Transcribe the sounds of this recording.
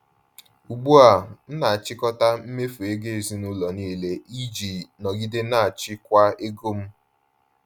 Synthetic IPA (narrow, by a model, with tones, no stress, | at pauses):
u˨ɡ͡bu˦a˨n̩˦na˨a˨t͡ʃɪ˦kɔ˦ta˦m̩˦me˦fu˨e˦ɡe˦e˨zi˨˦nu˦lɔ˨niː˦le˦i˦d͡ʒi˨nɔ˨ɡi˦de˦na˦˨a˨t͡ʃɪ˦kʷa˦e˦ɡo˦m̩˦